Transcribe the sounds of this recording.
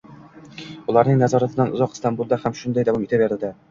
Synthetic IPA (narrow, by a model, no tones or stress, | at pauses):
ulˠɑɾnɤɴnæzɑɾɑt̪ɤ̆ɑnŏzɑqst̪ɑmbulˠd̪ɑhæmʃund̪ɑjd̪æwɑmit̪ɘpjæɾd̪ɘ̆d̪æ